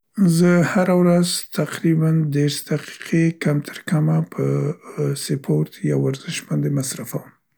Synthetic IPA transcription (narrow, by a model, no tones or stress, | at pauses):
zəhaɾawɾazt̪aqɾiband̪eɾsd̪aqi̥qʰekamt̪ʰəɾkamapʰə | sɪpʰoɾt̪jawaɾzɪʃbɑnd̪emasɾafawəm